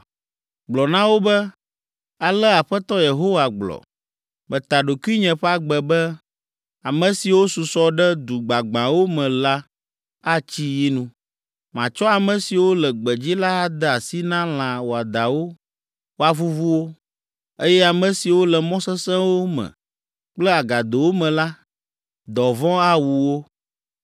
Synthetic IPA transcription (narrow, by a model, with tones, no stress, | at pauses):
ɡ͡blɔ˨nã˦wo˦bɛ˦ | a˨lɛ˦a˨ɸɛ˦t̪ɔ˦je˨ɦo˦wa˨ɡ͡blɔ̰˨ | mɛ̃˨t̪a˨ɖo˨ku˦i˦ɲɛ̃˨ɸɛ˦a˦ɡ͡bɛ˨bɛ˦ | a˨mɛ̃˨si˨wo˦su˨sɔ˦ɖɛ˦d̪u˨ɡ͡ba˨ɡ͡bã˨wo˦mɛ̃˨la˦ | a˦t͡ɕi˦ji˦nũ˦ | mã˨t͡ʃɔ˦a˨mɛ̃˨si˨wo˦lɛ˨ɡ͡bɛ˨d͡ʑi˦la˦a˦d̪ɛ˦a˨si˦nã˦l̃ã˨wo˨a˨d̪a˨wo˦ | wo˦a˨vu˦vu˦wo˦ | e˦jɛ˦a˨mɛ̃˨si˨wo˦lɛ˨mɔ̃˦sɛ˦sɛ̃˦wo˦mɛ̰̃˨ | k͡plɛ˦a˨ɡa˨d̪o˨wo˦mɛ̃˨la˦ | d̪ɔ˨vɔ̃˦a˦wu˨wo˦